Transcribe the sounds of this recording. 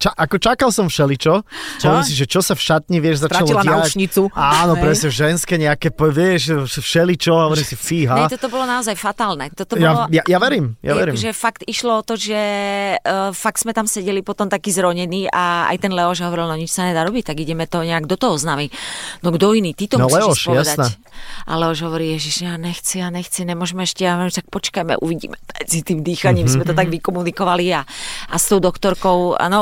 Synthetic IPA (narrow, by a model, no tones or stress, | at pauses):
t͡ʃaʔakɔt͡ʃakalsɔmfʃɛlit͡ʃɔɦɔɔʋɔɾiːms̬iʒɛt͡ʃɔsafʃat̪ɲiʋɪɛʒzaɾaalɔlanɪaut͡ʃɲit͡suaːnɔpɾɛsɲɛʒɛnskɛɲɛakɛpʋɪɛʃfʃɛlit͡ʃɔɦɔʋɔɾiːmsifiːɦaɛt̪ɔt̪ɔbɔlɔnaɔzajfat̪aːlnɛt̪ɔt̪ɔjaɔjajaʋɛɾiːmja̰ʋɛɾiːmʒɛfakt̪iʃlɔɔt̪ɔʒɛ | fak̚t̪z̥mɛt̪amsɛɟɛlipɔt̪ɔmt̪akiːzɾɔɲɛniːʔaa̰jt̪ɛnlɛɔʒɦɔʋɔɾilnɔɲit͡ʃsaɲɛd̪aːɾɔbic̚t̪aɡiɟɛmɛt̪ɔɲɛaɡd̪ɔt̪ɔɦɔznaːminɔɡd̪ɔiniːt̪it̪ɔmlɛɔɛʃʃpɔʋjaɛd̪an | ʔa̰lɛɔʒɦɔʋɔɾiːjɛʒiʒɲɛaɲɛxt͡sijaɲɛxt͡sɛɲɛmʊɔʒɛmɛɛʃcɛjamɦɔimt̪ak̚pɔt͡ʃkajmɛ̰ʔṵʋiɟḭːmɛmɛd͡zit̪iːmd̪iːxaɲiːmzmɛt̪ɔt̪aɡʋikɔmunikɔʋaliaast̪ɔʊd̪ɔkt̪ɔɾkɔʊa̰nɔ